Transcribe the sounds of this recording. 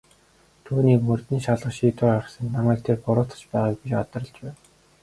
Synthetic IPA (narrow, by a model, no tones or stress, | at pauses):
t̪ʰuːniːkmɵrt̪niːʃaɮʁə̆χʃiːt̪ʊːaə̆sə̆nt̪namæːk̚t̪ʰerpʊɾʊːt̪ə̥̆t͡ɕpæːʁaːk̚pit͡ɕat̪ə̆rə̆ɮt͡ɕpæːn